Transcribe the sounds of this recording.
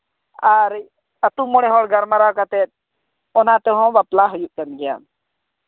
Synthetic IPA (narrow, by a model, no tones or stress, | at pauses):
aɾ | ət̪umɔɽɛɦɔɽɡəɾmaɾakat̪ɛt̪̚ | ɔnat̪ɛɦɔ̃baplaɦujuʔkanɡɛja̰m